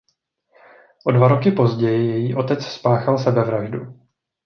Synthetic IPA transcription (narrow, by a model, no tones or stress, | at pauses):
ʔo̞dvaɾo̞kɪpo̞zɟɛjɪjɛjiːʔo̞t̪ɛt͡sspaːxalsɛbɛvɾaʒdu